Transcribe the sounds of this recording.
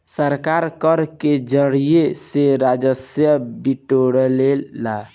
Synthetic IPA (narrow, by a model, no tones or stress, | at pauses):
səɾkaɾkəɾked͡ʒəɽijeseɾad͡ʒəsjəbiʈoɽlelːa